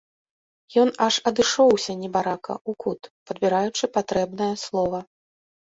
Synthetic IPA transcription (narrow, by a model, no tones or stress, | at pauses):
jɔnɐʂɐd̪ɨʂɔwsʲɐnʲɛbaɾakɐ̰ʔukut̪pɐd̪bʲiɾajut͡ʂɨpat̪ɾɛbnɐjɐslˠɔvɐ